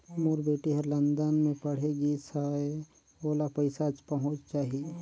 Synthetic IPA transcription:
muːɾbeːʈiɦəɾlə̃nd̪ənmẽpɐɽ̤eɡisae | oːlapəɪsat͡ʃpɐɦʊ̃t͡ʃt͡ʃaːɦie

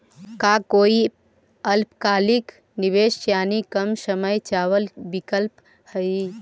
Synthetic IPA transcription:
kakoːi | əlpkaːlik | niʋeʃjaːnikəmsəməjt͡ʃawəlbikəlp | həi

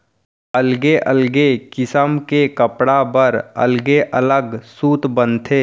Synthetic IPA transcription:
əlɡeʔəlɡekɪsəmkekəpɽabəɾə̰lɡeʔələɡsuːt̪bənt̪ʰeː

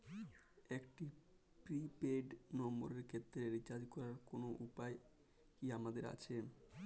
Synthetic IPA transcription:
ekʈi | pɾipeɖnɔmbo̰ɾeɾkʰet̪ːɾeɾit͡ɕad͡ʑkɔɾaɾkonoʔupae | kiamad̪eɾa̰t͡ɕʰe

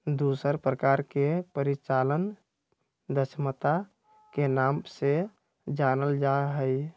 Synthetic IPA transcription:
d̪usəɾpɾəkaɾkepəɾit͡ʃalən | d̪əsmət̪a | kenamse | d͡ʒanəld͡ʒaɦəj

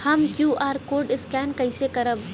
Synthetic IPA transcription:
hɐmkjuːʔaːɾkoːɾɖɪskɛːnkɐɪsekɐɾəʋ

